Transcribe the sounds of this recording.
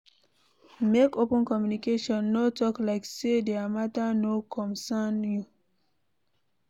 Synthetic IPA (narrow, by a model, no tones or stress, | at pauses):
mekopə̃nkɔmjunikeʃɔ̃nːotɔklaɪksedeamatanokʰɔ̃nsanju